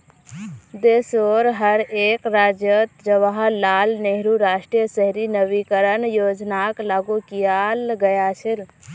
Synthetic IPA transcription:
d̪esoɾɦəɾekɾad͡ʒjət̪d͡ʒəʋaɦəːalneɦɾuɾasʈɾijəsəɦɾinəbikəɾənjod͡ʒnaklaɡukijalɡəjat͡ʃʰiɾ

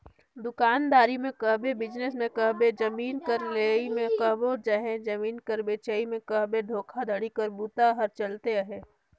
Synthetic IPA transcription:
d̪ʊkaːnd̪aːɾimẽkɐɦbebɪd͡ʒnesmẽkəɦbed͡ʒɐmiːnkəɾleːimẽkəɦbod͡ʒaɦẽd͡ʒɐmiːnkəɾbeːt͡ʃəimẽkəɦbed̪ʱoːkʰad̪əɽikəɾbut̪aɦɐɾt͡ʃəlt̪eəɦeː

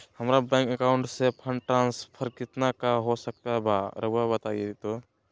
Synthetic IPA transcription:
hɐmɾabɛ̃ːŋkəkaːʊɳʈsepʰəɳʈɾãːnspʰəɾkɪt̪nakaɦosɐk̚t̪aɦbʱaɾɐbuabɐt̪aːiet̪oː

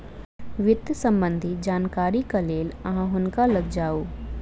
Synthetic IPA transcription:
ʋɪt̪jsə̃mbə̃nd̪ʱid͡ʒaːnkaːɾikaleːlɐɦãɦʊnkalɐɡd͡ʒaːoː

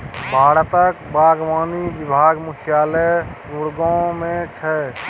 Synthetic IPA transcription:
bʱaːɾt̪əkbaːɡʋaːniʋibʱaːɡmukʰijaːlə | uɽɡõmẽt͡ʃʰɛ

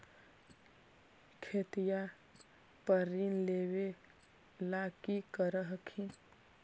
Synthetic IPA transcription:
kʰet̪ija | pəɾinleːwe | lakikəɾəɦkʰin

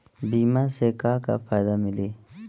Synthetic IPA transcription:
biːmasekaːka̰pʰaːjd̪amɪli

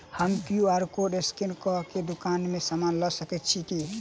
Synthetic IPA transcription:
həmkjuaɾkoɖeskinkɔked̪ukanmesamanləsəkɛt̪̚t͡ʃʰiki

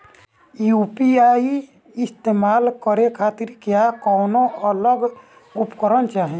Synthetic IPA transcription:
jupiai | ɪst̪emalkəɾekʰat̪iɾkjakɔːnoələɡ | upkəɾənt͡ʃaɦĩ

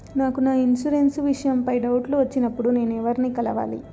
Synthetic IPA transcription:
naːkunaːinsuɾensʋiʂɐjɐmpɐjɖɐwʈluʋɐt͡ʃːinɐpːuɽune̞ːnɛʋɐɾinikɐlɐʋa̰ːlḭ

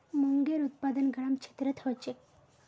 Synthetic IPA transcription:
muŋɡeɾut̪̚pad̪ənɡʱəɽ̃amt͡ɕʰe̥t̪ɾət̪ʰɦot͡ɕek

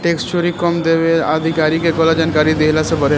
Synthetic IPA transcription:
ʈeːkst͡ʃoɾikɔmd̪eːʋead̪ʱɪkaːɾikekoːlad͡ʒaːnkaːɾid̪eɦlasebɐɾe

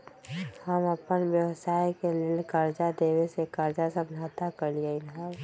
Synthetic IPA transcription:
həməpənʋjəwsaːjkeleːlkəɾd͡ʒad̪eːwesekəɾd͡ʒasəmd͡ʒʱat̪akəɾlieɪnɦəɾ

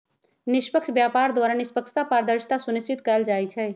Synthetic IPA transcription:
nispəkt͡ʃʰbjapaɾd̪waɾanispəkt͡ʃʰt̪apaɾd̪əɾʃt̪asunist͡ʃit̪kəld͡ʒajt͡ʃʰɛ

